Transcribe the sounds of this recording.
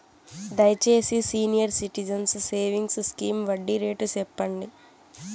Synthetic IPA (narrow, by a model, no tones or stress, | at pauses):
d̪ɐjt͡ʃe̞ːsisiːnijɐɾsiʈid͡ʒɐnsse̞ːʋiŋɡsskiːmʋɐɖːiɾeːʈut͡ʃɛpːɐɳɖi